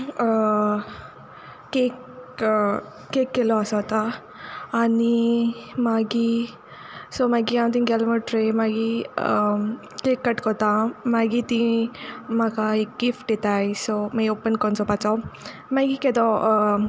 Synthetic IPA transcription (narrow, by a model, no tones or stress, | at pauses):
kek | ekːeloasɔt̪aː | nimaɡi | somaɡiãmt̪̬iŋɡɛlməʈɾemaɡi | keːkːɐʈkot̪amaɡit̪ĩ | makaek̚ɡifʈit̪ajsomaopːənkɔnsɔpat͡sɔ | maɡiked̪o